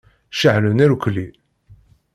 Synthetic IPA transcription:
ʃaʕlunæɾukʷli

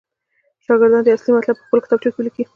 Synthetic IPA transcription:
ʃɑɡɪɾd̪ɑnd̪əaslimat̪lab̚pə̥xpəlkɪ̥t̪ɑb̚ʈ͡ʂikwiliki

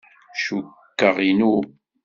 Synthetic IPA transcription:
ʃukːəʁinu

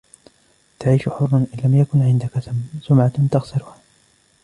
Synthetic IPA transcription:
t̪aʕiːʃʊħʊrˤːʊnʔɪnlamjakʊnʕɪnd̪akasʊmʕat̪t̪aɣsɪɾʊha

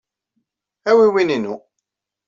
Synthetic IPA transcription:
æwiwininu

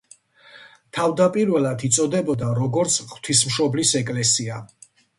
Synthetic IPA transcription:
t̪ʰavd̪apʼiɾvɛlˠad̪it̪sʼɔd̪ɛbɔd̪aɾɔɡɔɾt̪sʰχw̥t̪ʰismʃɔblisɛkʼlɛsia

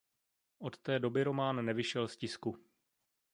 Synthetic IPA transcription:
ʔo̞t̪t̪ɛːdo̞bɪɾo̞maːnːɛvɪʃɛlscɪsku

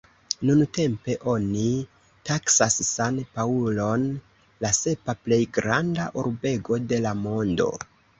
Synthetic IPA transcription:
nunte̞mpe̞ʔo̞ni | taksasːanpaulo̞n | lase̞paple̞jɡɾandaʔuɾbe̞ɡo̞de̞lamo̞ndo̞̰

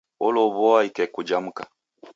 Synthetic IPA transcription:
ɔloβɔaikɛkud͡ʒam̩kḁ

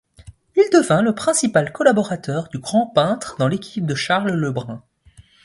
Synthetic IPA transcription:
ild̪əvɛ̃ləpχɛ̃sipalkɔlabɔʁat̪œʁd̪yɡʁɑ̃pɛ̃t̪χd̪ɑ̃lekʲʰi̥p̚d̪əʃaʁlləbʁɛ̃

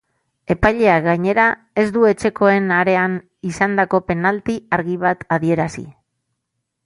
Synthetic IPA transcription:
e̞pajʎe̞aɣaɲe̞ɾa | e̞zd̪ue̞t͡ʃe̞ko̞e̞naɾe̞an | isand̪ako̞pe̞nalt̪iaɾɣiβat̪aðie̞ɾasḭ

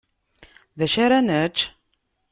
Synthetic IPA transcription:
ðæʃaɾænət͡ʃː

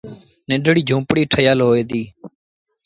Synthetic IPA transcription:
nɪ̃ɖɽiːd͡ʒʱũːpɽiːʈʰəjaːlɦoːeːd̪iː

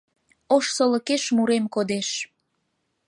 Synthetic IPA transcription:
oʃsolə̆keʃmuɾemkod̪eʃ

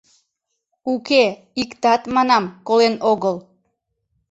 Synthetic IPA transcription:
uke | ikt̪ɑt̪mɑnɑmkolenoɣəl

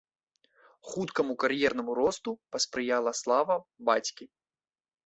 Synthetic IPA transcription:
xut̪kɐmukɐrjɛrnɐmuɾɔst̪upɐspɾɨjalˠɐslˠavɐbat͡sʲkʲi

